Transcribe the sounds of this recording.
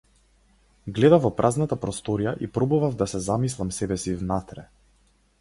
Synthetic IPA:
ɡlɛd̪avvɔpɾʔaznat̪apɾɔst̪ɔɾijaʔipɾɔbuvavd̪asɛzamislˠamsɛbɛsivnat̪ɾɛ

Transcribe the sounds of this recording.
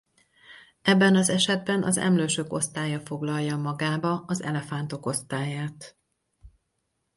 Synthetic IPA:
ɛbːɛnɒzɛʃɛd̪̚bɛnʔɒ̰zɛ̰mløːʃøko̞̰st̪aːjɒfo̞ɡlɒlːɒmɒɡaːbɒɒzɛ̰lɛfan̪t̪o̞ko̞st̪aːjaːt̪

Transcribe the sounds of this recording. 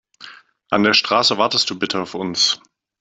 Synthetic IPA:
ʔa̰ndeːɐʃtʁ̥aːsəvaɐtəst̚d̥uːbɪtʰəaʊfʊns

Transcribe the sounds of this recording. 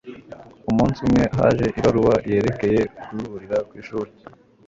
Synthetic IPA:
umuːnsumŋe̞ɦa̰ːʒe̞ʔiβaɾuβaje̞ːɾe̞ke̞je̞ukuuuɾiɾakwiːʃuːɾe

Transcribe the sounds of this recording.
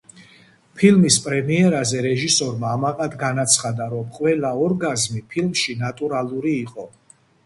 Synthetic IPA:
pʰilmispʼɾɛmiɛɾazɛɾɛʒisɔɾmaːmaqʼad̪ɡanat̪sʰχad̪aɾɔmqʼwɛlaɔɾɡazmipʰilmʃinat̪ʼuɾalˠuɾiːqʼɔ

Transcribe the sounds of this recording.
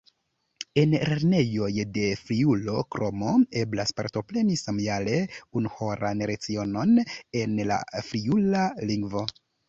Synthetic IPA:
e̞nɾe̞ɾne̞jo̞jde̞fɾiulo̞kɾo̞mo̞e̞blaspa̰ɾto̞ple̞nisamjale̞unuho̞ɾʔa̰nɾet͡sio̞no̞ne̞nla̰fɾiulaliŋɡvo̞

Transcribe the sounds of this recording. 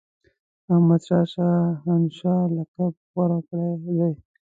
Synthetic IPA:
ahmad̪ʃɑʃɑɦanʃɑlakab̚ɣwaɾakɽad̪aj

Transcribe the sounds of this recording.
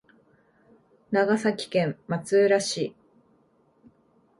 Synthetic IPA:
naɡasakʲi̥kẽ̞mmat͡sɨɾaɕi

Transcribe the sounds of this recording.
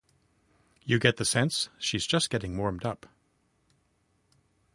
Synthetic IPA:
jɨɡɛt̪̚ðɨsɛ̃nsʃizd͡ʒʌsɡ̥ɛɾɪ̃ŋmɔɹmdʌp

